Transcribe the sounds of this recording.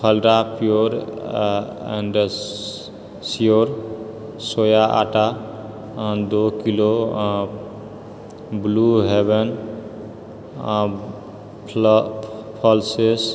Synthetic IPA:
pʰəlɾapijoɾ | ɛ̰ɳɖ | sijoɾ | sojaʔa̰ʈa | d̪okilo | bluɦeβen | pʰɔlses

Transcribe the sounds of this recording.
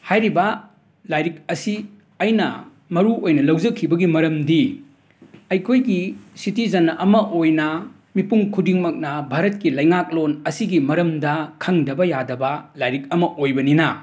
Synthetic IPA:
hajɾibɐ | lajɾik̚ɐsi | ɐjnɐ | mɐɾuojnɐlɐwd͡ʒɐkʰːibɐɡimɐɾɐmdi | ɐjkʰojɡisitid͡ʒɐnʔɐmɐʔojnɐ | mipuŋkʰudiŋmɐk̚nɐbʱaɾɐt̚kilɐjŋak̚lonɐsiɡimɐɾɐmdɐkʰɐŋdɐbɐjadɐbɐlajɾik̚ɐmɐʔojbɐninɐ

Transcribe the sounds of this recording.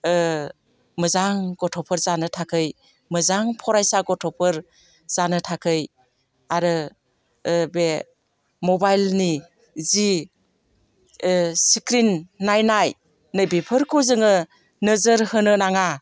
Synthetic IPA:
mɯzaŋɡɔtʰɔpʰɯɾzanɯtʰakʰɯj | mɯzaŋpʰɔɾajsaɡɔtʰɔpʰɯɾ | z̥anɯtʰakʰɯj | aɾɯ | be | mɔbajlni | zi | sikɾinːajnaj | nɯjbipʰɯɾkʰɔzɯŋɯ | nɯzəɾhɯnɯnaŋa

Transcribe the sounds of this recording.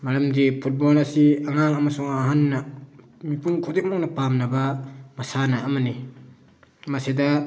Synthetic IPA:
maɾɐmdipʰut̚bolɐsiaŋaŋɐmasuŋaɦanːɐ | mipʰuŋkʰɔdik̚mɔk̚nɐpamnɐbɐmɐsanaʔːmɐni | mɐsidɐ

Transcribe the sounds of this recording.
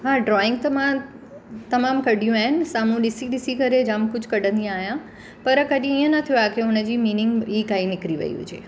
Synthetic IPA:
ɦaɖɾɔɪ̃ŋɡt̪əmã | t̪əmamkəɖjũɛnsamũɗɪsiɗisikəɾed͡ʒãmkʊd͡ʒkəɖə̃nd̪iajã | pəɾəkəɗjĩĩə̃nət̪ʰijũakeũnəd͡ʒiminɪŋɡikainɪkɾiʋə̰jṵ̃t͡ʃʰe

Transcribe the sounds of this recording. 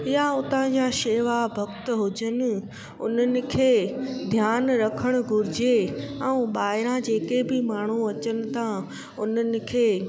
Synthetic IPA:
ɪjaʊt̪ãd͡ʑaːʃeːʋabʱɐkt̪ɦʊd͡ʑənɪ̆ | ʊ̰n̤ənɪ̆kʰeːd̪ʱjaːnɾɐkʰəɽ̃ʊ̆ɡʱʊɾɪd͡ʑeɛũɓaːɦɪɾãd͡ʑeːkebɪmaːɳ̤̃uɐt͡ɕənɪ̆t̪ʰã | ʊnənɪ̆kʰeː

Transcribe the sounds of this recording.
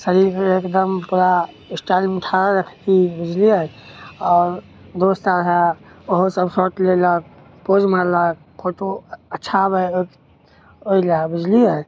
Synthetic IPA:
səɾiɾkeekd̪əmpuɾa | isʈalmeʈʰaɾaɾəkʰkibid͡ʒliəj | ɔːɾ | d̪ost̪aɾɦɛoɦosəbsoʈlelək̚ | pod͡ʒmalək̚ | pʰoʈoətːʃʰabəo | oilabid͡ʒliəj

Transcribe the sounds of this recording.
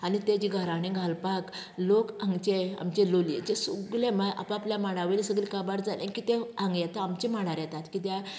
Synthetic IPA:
anit̪ed͡ʑiɡʱaɾaɽẽɡʱalpak | lokãŋɡt͡ɕea̰mt͡ɕelolḛt͡ɕesuɡlemaʔa̰papljamaɽ̃aʋelisəɡlikabaɾd͡zalẽkit̪eaŋɡjɛt̪aamt͡ɕemaɽ̃aɾjat̪at̪kit̪ja

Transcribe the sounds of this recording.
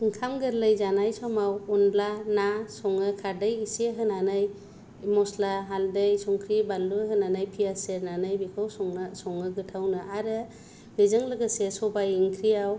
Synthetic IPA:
ɯŋkʰamɡɯɾlɯjzanajsɔmawunblanasɔŋɯkʰaɾdɯjiseɦɯnanɯj | mɔslaɦaldɯjsɔŋkʰɾibaluɦɯnanajpʰiasenanɯjbikʰawsɔŋsɔŋɯɡɯtʰawnɯʔaɾɯ | bɯzɯŋlɯɡɯsesɔbajiŋkʰɾiaw

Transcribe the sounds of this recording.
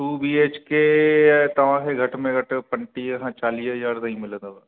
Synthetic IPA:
uːbiːeːt͡ʃket̪ɐʋ̤ãːkʰeɡʱɐʈmẽɡʱɐʈpɐ̃ɳʈiɐɦãt͡ʃaːliːsɦɐzaːɾnɐɦĩmɪlə̃d̪əba

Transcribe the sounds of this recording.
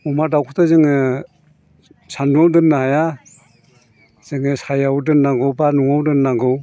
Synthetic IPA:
umadawkʰutʰazɯŋɯ | sanduawdɯnːahaja | z̥ɯŋɯsajawdɯnːaŋɡɯwbanuŋawdɯnːaŋɡɯw

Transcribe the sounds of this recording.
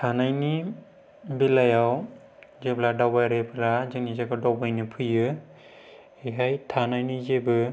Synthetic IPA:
tʰanajni | bilajaw | zepʰladawbajɾepʰɯlazɯnizaɡadawbajnɯpʰɯjɯ | eɦajtʰanajnizebɯ

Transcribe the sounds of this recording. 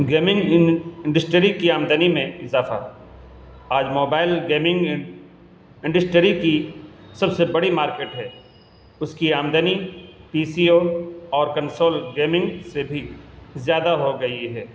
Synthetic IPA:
ɡeːmɪ̃ŋɡɪ̃ɳɖəsʈɾikiaːmd̪ənimẽɪzaːfa̰ | aːd͡ʒmoːbaːɪlɡeːmɪ̃ŋɡ | ɪ̃ɳɖəsʈɾikisɐbsebɐɽimaːɾkeːʈɦɛː | ʊskiaːmd̪ənipiːsioɔːɾkɐ̃nsoːlɡeːmɪ̃ŋɡsebʱizjaːd̪aɦoɡɐiɦɛː

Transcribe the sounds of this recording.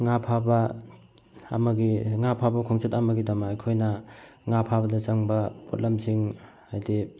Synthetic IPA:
ŋapʰabɐ | maɡiŋapʰabɐkʰɔŋsʰetamɐɡidamaːjkʰojnɐ | ŋapʰabɐdɐt͡ʃaŋbɐpʰɔ̰t̚lamsʰiŋ | ajdi

